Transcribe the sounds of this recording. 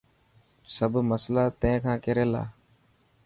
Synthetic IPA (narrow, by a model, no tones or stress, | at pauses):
səbʱməslaːt̪ẽːkʰãːkeːɾeːla̰ː